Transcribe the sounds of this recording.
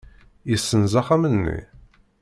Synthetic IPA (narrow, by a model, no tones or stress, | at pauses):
jisːənzaχamənːḭ